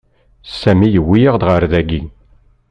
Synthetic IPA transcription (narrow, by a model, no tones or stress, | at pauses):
sæmijəwːijəʁd̪ʁəɾðæɡi